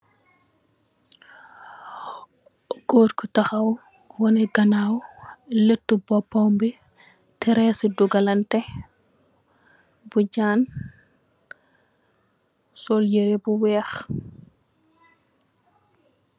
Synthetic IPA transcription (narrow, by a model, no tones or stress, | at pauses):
ɡ̥oːtkɔtaxaw | wɔnɛɡɐnawletːubɔpːambi | tɛɾɛsiduɡalɐntɛ | buɟaːn | soljiɾɛbuwɛːx